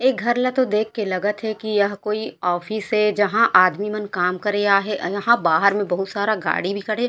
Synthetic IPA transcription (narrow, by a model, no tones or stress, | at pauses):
eːk̚ɡʱɐɾlɐt̪od̪eːkʰːelɐɡət̪ɦɛkijɐɦkoːiɔːfiːsɦɛd͡ʒɐɦãʔaːd̪mimənkaːmkɐɾeaːɦejɐɦãbaːɦəɾmẽbɐɦʊt̪saːɾaɡa̰ːɽibʱikɐɽẽː